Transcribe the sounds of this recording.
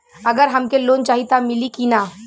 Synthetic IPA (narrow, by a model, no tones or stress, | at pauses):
ɐɡəɾɦɐmkeloːnt͡ʃaːɦit̪amɪlikina